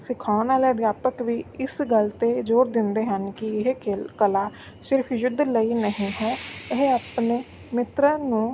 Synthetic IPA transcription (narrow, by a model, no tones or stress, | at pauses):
sɪkʰaːʊnaːleːd̪jaːpəkʋiːɪsɡəlt̪eːd͡ʒoːɾd̪ɪnd̪eːɦənkɪɪɦekəlaː | sɪɾpʰjʊd̪ləiːnəɦĩːɦɛːɪɦeaːpneː | mɪt̪ɾə̃nũː